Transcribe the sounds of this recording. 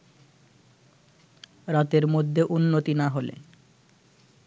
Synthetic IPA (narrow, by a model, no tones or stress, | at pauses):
ɾat̪eɾmod̪ʱːeʔunːot̪inaɦolḛ